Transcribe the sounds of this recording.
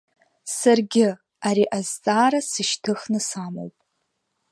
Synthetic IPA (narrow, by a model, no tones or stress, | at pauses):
sarɡʲɪ | aɾiʔazt͡sʼaːɾasɨʃtʰɨχnɨsamo̰wpʼ